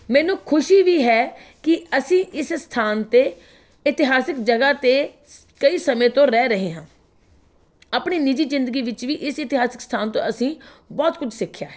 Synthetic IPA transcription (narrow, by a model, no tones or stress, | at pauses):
mɛːnũːkʰʊʃiːʋiːɦɛːkɪəsĩːʔɪsst̪ʰaːnt̪eː | ɪt̪ɪɦaːsɪkd͡ʒəɡaːt̪eː | kəiːsəmẽːt̪õːɾɛːɾəɦeːɦãː | aːpɳiːnɪd͡ʒiːzɪ̃nd̪əɡiːʋɪt͡ʃʋiːʔɪsɪt̪ɪɦaːsɪ̥kst̪ʰaːnt̪õ̰ːʔəsĩːbɔːt̪kʊd͡ʒsɪkʰːja̰ːɦɛː